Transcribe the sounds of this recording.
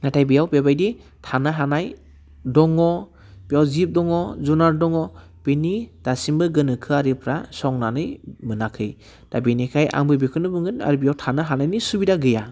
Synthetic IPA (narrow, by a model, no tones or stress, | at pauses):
natʰajbijawpebajdi | tʰanaɦanaj | dɔŋɔ | pijawzip̚dɔŋɔzunaɾdɔŋɔ | penid̥asimbɯɡɯnɯkʰɯaɾipʰɾasɔŋnanɯjmɯnakʰɯj | d̥abenikʰajʔa̰ŋbɯbikʰɯnɯbɯŋɯna̰ɾbijawtʰanɯɦanajnisubidaɡɯja